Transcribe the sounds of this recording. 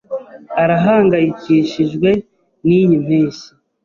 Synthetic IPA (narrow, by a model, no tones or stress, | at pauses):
aɾaɦaːŋɡajiciʃiʒɡwe̞ | nijim̥hiːsi